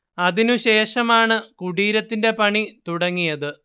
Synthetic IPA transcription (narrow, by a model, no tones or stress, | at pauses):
ɐðinuɕe̞ːʂɐmaːɳɨkuɽiːɾɐt̪ːinde̞pɐɳit̪uɽɐŋːijɐðɨ